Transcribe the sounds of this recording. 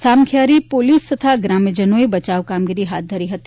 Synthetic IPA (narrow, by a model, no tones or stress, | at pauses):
samkʰjaɾipolist̪ət̪ʰaɡɾamjəd͡ʒənoibət͡ʃaʋkamɡiɾiɦat̪̚d̪ʱəɾiɦət̪i̥